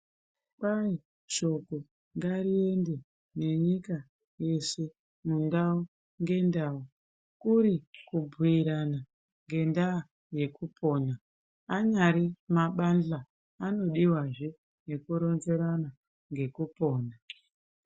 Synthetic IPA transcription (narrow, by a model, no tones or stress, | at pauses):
kai | ʃo̞ko | ŋɡaɾie̞nde̞ | ne̞ɲika | je̞se̞ | mundau | ŋɡe̞ndau | kuɾikubʱuiɾana | ŋɡe̞nda | je̞kupʰo̞ːnaː | ɲaɾimaɓand͡ɮaː | no̞ɗiwaʐi | jekuɾo̞nze̞ɾana | ŋɡe̞kupo̞ːna